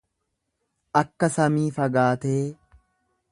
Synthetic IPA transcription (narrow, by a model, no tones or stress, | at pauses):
ʔɐkːɐsɐmiːfɐɡaːt̪eː